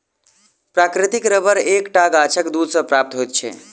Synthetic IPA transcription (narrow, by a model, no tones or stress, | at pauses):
pɾakɾit̪ikɾəbəɾekʈaɡat͡ʃʰəkd̪ud̪ʱsəpɾap̚t̪ɦojt̪̚t͡ʃʰɛ̰